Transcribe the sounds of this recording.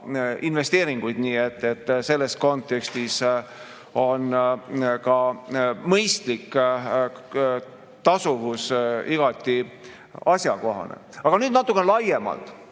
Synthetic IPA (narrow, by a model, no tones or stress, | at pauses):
inve̞st̪eːɾiŋɡ̥ujd̪niːe̞t̪ːe̞t̪ːse̞lːe̞sko̞nt̪ˑe̞kst̪is | o̞n | kɑmɤjst̪likː | t̪ɑsuvusiɡ̥ɑt̪ʲːˑi | ɑsʲjɑko̞ɦɑ̰nḛɑɡ̥ɑnyːd̪nɑt̪ːˑukːˑenelɑje̞mɑ̰lt̪ˑ